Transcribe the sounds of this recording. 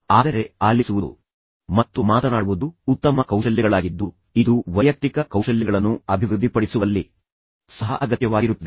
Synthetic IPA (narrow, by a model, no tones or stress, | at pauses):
aːd̪ɐɾe̞aːlːisuʋudṵ | mɐt̪ːumaːt̪ɐnaːɽuʋud̪uːt̪ːɐmɐkɐwʂɐljɐɡɐɭaːɡid̪ːu | id̪uʋɐjɐk̚t̪ikɐkɐwʂɐlːɐɡɐɭɐnːuɐbʱiʋɾud̪ʱːipɐɽisuʋɐlːi | sɐɦɐ̰ʔɐɡɐt̪jɐʋaːɡiɾut̪ːɐd̪e